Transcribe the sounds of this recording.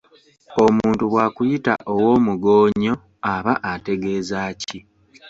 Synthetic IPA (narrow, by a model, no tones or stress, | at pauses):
o̞muːntuβwaːkujita̰ʔowo̞ːmuɡo̞ːɲo̞ | aβaʔate̞ɡe̞ːzaːci